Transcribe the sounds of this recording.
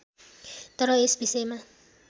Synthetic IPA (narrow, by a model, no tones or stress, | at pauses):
t̪ʌɾʌesbisejma